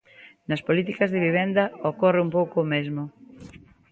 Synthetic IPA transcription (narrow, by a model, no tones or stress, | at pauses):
nɐspolit̪ikɐzðɪβiβ̞ɛnd̪ɐokɔrɪumpowkomezmʊ